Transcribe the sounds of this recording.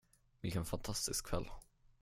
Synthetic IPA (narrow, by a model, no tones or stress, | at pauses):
vɪlkɛnfant̪ʰast̪ɪskkʰːvɛ̰lː